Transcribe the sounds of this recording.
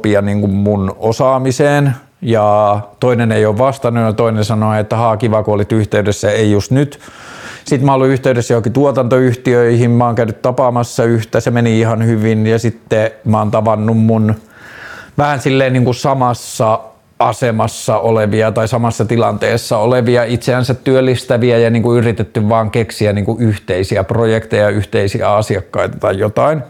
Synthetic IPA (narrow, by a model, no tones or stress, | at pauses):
piɑniːŋkummunosɑːmiseːn | jɑt̪oinenejoːʋʋɑst̪ɑnujɑt̪oinensɑnoet̪ːæhɑːkiʋɑkoolit̪yht̪eydesːæeijust̪nyt̪sit̪mæolːuyht̪eydesːæjokit̪uot̪ɑnt̪oyht̪iøihimmɑːŋkæynyt̪t̪ɑpɑːmɑsːɑyht̪æsemeniihɑnhyʋinjɑsit̪ːemɑːnt̪ɑʋɑnːummun | ʋæhænsilːeːniːŋkusɑmɑsːɑ | ɑsemɑsːɑʔoleʋiɑt̪ɑisɑmɑsːɑt̪ilɑnt̪eːsːɑoleʋiɑit̪seænsæt̪t̪yølːist̪æʋiæjɑniːŋkuyrit̪et̪ːyʋʋɑːŋkeksiæniːŋkuʔyht̪eisiæprojekt̪ejɑyht̪eisiæɑsiɑkːɑit̪ɑ̥t̪ɑijjot̪ɑin